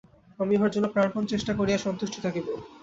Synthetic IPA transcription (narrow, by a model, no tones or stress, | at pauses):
amiɦaɾd͡ʑonːopɾaɳpʰont͡ɕeʃʈakoɾijaʃɔnt̪uʃʈʰi̥t̪ʰakibo